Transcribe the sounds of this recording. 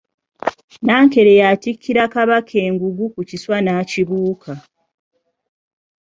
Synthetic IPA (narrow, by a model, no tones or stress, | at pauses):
naːŋke̞ɾejaːtikʰːiɾakaβakʰe̞ːŋɡuɡukuciswanaːciβuːkʰa